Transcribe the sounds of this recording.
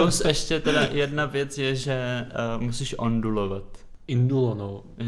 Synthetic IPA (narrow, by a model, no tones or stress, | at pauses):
owsɛʃcɛt̪ɛdajɛdnavjɛt͡sjɛʒɛmusiʃʔondulovat̪ɪndulonow